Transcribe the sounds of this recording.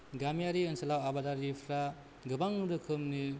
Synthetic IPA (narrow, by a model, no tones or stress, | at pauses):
ɡamijaɾiɯnsɐlawabadaɾipʰɾa | ɡɯbaŋɾɯkʰɯmni